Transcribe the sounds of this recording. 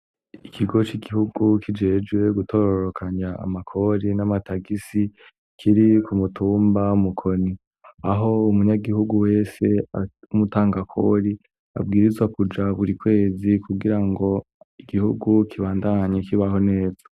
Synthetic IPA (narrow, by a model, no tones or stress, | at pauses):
iikʰiɡo̞t͡ʃiɡihuɡukʰid͡ʒe̞ːd͡ʒɡwe̞ɡutʰo̞ɾoɾokʰaɲa̰ːmakʰo̞ɾinamataɡisi | kʰiɾikumutʰuːmbaumukʰoni | aɦo̞umuɲaɡiɦuɡuwe̞ːse̞aumutaːŋɡakʰo̞̰ɾi | a̰b̚ɡiːɾizwakud͡ʒaβuɾikwe̞ːzikʰuɡiɾaŋɡo̞ | iɡihṵɡukʰiβaːndaɲekiβaho̞ne̞ːzḁ